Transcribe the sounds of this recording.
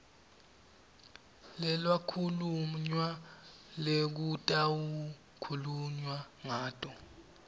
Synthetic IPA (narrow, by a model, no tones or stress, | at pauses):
lɛlwakʰuluɲwa | lek̬utʼawu | kʰuluɲwaŋaːtʼɔ